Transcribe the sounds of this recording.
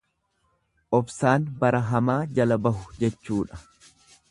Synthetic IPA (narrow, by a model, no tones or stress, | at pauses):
ʔɔfsaːnbɐɾɐɦɐmaːd͡ʒɐlɐbɐɦʊd͡ʒɛt͡ʃːuːᶑɐ̥